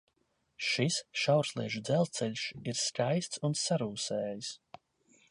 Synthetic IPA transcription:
ʃisʃawɾslˠiɛʒud̪zɛlˠt̪sɛlʲʃiɾskajst̪sunsaɾuːsɛːjis

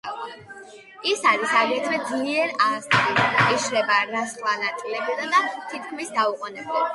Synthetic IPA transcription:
isaɾisaɡɛt̪ʰvɛd̪zliɛɾazt̪ʼiiʃɾɛbaɾasχvanat̪ʼilɛbid̪ad̪at̪ʰit̪̚ʰkʰmisd̪auqʼɔnɛblɛb

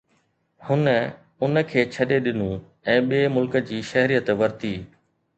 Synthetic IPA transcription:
hʊnə | ʊnə̆kʰeːt͡ɕʰɐɗeɗɪnũ | ɛ̃ːɓiemʊlkə̆d͡ʑiːʃɐɦɾijət̪ʋɐɾt̪iː

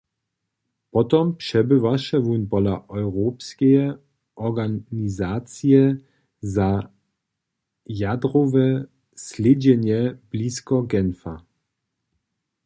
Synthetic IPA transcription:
pɔt̪ɔmpʂɛbɪvaʂɛʋunpɔlaʔɔwʁoːpskɛjɛ | ʔɔɡanizaːt͡sijɛ | za | jad̪ɾɔvɛ | slʲed͡ʑɛɲjɛb̥liːskɔɡɛnfa

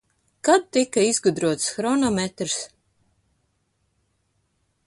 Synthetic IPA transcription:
kad̪̚t̪ikaizɡud̪ɾuɔt̪sxɾɔnɔmʲet̪ɾs

